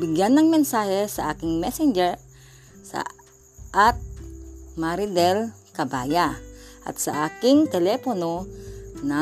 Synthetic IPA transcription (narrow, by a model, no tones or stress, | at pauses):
biɡjanːɐŋmɛnsahɛsaʔakɪŋmɛsɛnd͡ʒɛɹ | sa̰ | ʔat̪̚maɾid̪ɛl | kabajaʔa̰t̪̚saʔakɪŋt̪ɛlɛponona